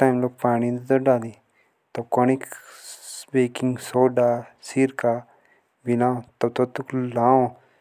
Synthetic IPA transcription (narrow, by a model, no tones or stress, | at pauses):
ʈajmlokpaːñĩd̪d̪oɖaːd̪i | t̪okonik | beːkĩŋsoːɖasiɾka | bilãːt̪ot̪ot̪uklãːõ